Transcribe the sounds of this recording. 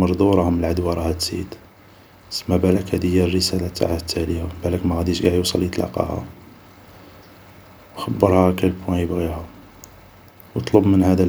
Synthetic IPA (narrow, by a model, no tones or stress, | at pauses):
ɑɾˤd̪ˤuɾˤɑhʊməlʕad̪wɑɾˤɑhæt̪zḭd̪ | səmːæbælækhæd̪əjːærːəsælæt̪ːa̰ʕat̪ʰːæljæbælækmæɣæd̪iʃɡaʕjusˤɑlːjət̪ˤlɑ̰qɑ̰hæ̰ | wxəbːəɾˤhæækælbwæjəbɣihæ | wt̪ˤlubmənhæd̪æ